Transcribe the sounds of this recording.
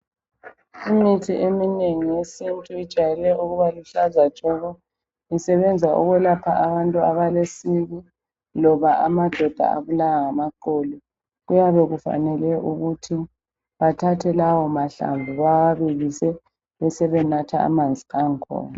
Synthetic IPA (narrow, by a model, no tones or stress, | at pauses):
imitʰiʔemineŋijesintʼuid̥ʒ̥ʱajɛlɛʔuɣuβaluɬazḁt͡ʃʼɔɣɔ | isɛβɛnd͡zʱaʔṵɣwɛlapʰaʔaβantʼuaβalesiɣi | lɔβaʔamad̥ʱɔd̥ʱa̰a̰βulawaŋamaǃɔlɔ | ɣujaβɛɣufa̰nɛlɛʔuɣutʰi | βatʰatʰɛlawɔmaɬa̰ɱbʱuβaaβiɣisɛ | βɛsɛβɛnatʰaa̰mand͡zʱiaŋkʰɔ̰ːna